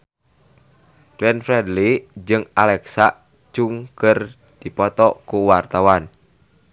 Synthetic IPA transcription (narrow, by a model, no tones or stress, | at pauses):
klɛnfɾɛdlid͡ʒɨŋalɛksaʔ | t͡ʃuŋkər | d̪̥i̤pɔt̪ɔʔkuwart̪awan